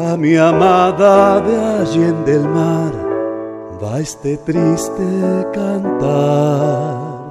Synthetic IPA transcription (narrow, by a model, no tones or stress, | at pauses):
amiamaðaðeaʒend̪elmaɾ | baest̪et̪ɾist̪ekant̪a | ɾɾ